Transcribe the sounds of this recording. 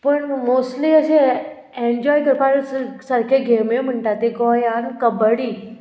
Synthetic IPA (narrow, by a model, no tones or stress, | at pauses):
pəɳmosʈliəɕe | eɲd͡ʑɔjkəɾpaɾssəɾkʰeɡʱemem̤əɳʈat̪eɡɔjankəbəɽiː